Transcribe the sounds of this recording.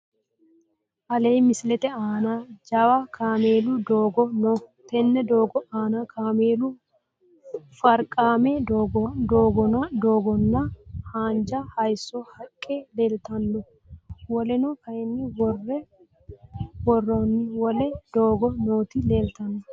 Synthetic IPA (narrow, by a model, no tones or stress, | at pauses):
ʔɐleːmɪslɛt̪ɛaːnad͡ʒɐwɐkʰaːmeːlʊd̪oːɡɔnoːt̪ɛnːɛd̪oːɡɔaːnɐkʰaːmeːlʊ | fɐɾkʼːaːmɛd̪d̪oːɡɔnɐd̪oːɡɔnːɐhaːnd͡ʒɐhɐjsːɔhɐkʼːeleːlt̪ɐnːɔ | wɔlɛnɔkɐjɛnːɪwɔrːɛ | wɔrːɔnːɪwɔlɛd̪̥oːɡɔnoːt̪ɪle̞ːlt̪ɐnːɔ